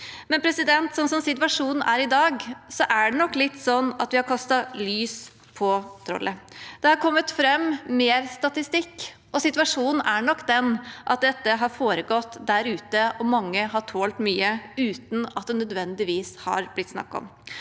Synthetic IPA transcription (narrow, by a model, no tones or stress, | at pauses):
mɛnpʰɾɛsɪd̪ɛnt̪sɔmsɔmsɪt̪ʋɑʂuːnn̩æɾɪd̪ɑːɡsɔʔæɖɛnɔkːlɪt̪ːsɔnːɑt̪ʋɪhɑɾkʰɑst̪ɑlyːs | pʰɔt̪ʰɾɔ̰lʔəd̪̥ɛhɑɾkʰɔmːət̪fɾɛmːmeːɾst̪ɑt̪ɪst̪ɪkː | ɔsɪt̪ʋɑʂuːnn̩æɳɔkːd̪ɛnʔɑt̪̚d̪ɛt̪ːəɦɑɾfoːɾəɡɔt̪ːd̪æɾʉːt̪əʔɔmɑŋːəɦɑʈʰoːlt̪myːəʉːt̪n̩ɑt̪̚d̪ɛnœd̪ʋɛnd̪ɪʋiːshɑ̰ɾblɪt̪ːsnɑ̰kːɔ̰m